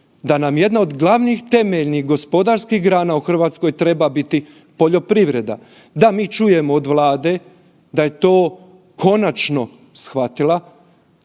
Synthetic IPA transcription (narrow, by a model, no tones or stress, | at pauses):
d̪anamje̞d̪naod̪ɡlˠaʋnixt̪e̞meʎnixɡo̞spo̞d̪aɾskixɡɾaːnauxr̩ʋaːt̪sko̞jt̪ɾe̞babit̪i | po̞ʎo̞pɾiʋɾe̞d̪a̰ | d̪amiːt͡ʃuje̞moːd̪ʋlˠaːd̪e̞ | d̪aje̞t̪oː | kʰo̞nat͡ʃno̞ | sxʋat̪ilˠa